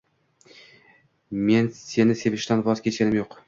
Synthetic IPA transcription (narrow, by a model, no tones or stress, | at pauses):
me̞nse̞nɪse̞vɪʃt̪anvɒzkʲʰe̞t͡ʃkʲanɪmjoq